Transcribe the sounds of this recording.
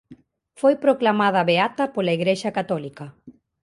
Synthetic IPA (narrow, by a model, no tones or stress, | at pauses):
fojpɾoklamað̞aβeat̪ɐpolaiɣɾeʃakat̪ɔlikɐ